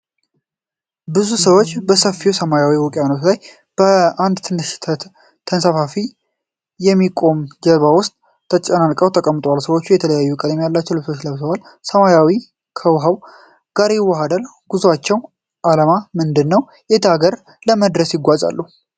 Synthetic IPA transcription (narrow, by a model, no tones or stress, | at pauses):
bɨzusəwo̞t͡ʃːbəsəfːiuwsəmajawiwɔkʼjano̞t̪laj | b̥əand̪t̪ʰɨnɨʃt̪ʰə | t̪ʰːənsafafi | jɛmːikʼo̞md͡ʒəβawʊst̪ʼʰːət͡ʃʼːənakʼəwt̪ʰəkʼəmːɨt̪ʼwalsəwo̞t͡ʃːujɛt̪ʰələjajːukʼəd̪mjalːat͡ʃːɛwlɨsot͡ʃːləwsəwal | səmajawi | kʰəwɦaw | ɡ̥aɾewɔɦad̪alː | ɡ̥uzwat͡ʃːɛwn | ʔalamamɨnd̪ɨnːəw | jet̪ʰaɡəɾ | ləməd̪ɾəsjɪɡʷazʼa̰lːuh